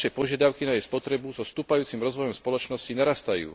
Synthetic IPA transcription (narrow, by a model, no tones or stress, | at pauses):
ʃɛpɔʒɪad̪aʊkinajɛspɔt̪ɾɛbuzɔst̪uːpajuːt͡simɾɔzʋɔjɔmspɔlɔt͡ʃnɔscinaɾast̪ajṵː